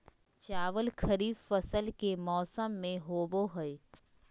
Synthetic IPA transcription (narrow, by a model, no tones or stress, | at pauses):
t͡ʃaːʋəlkʰəɾiːffɐsəlkemɔːsəmːẽɦoːboɦəe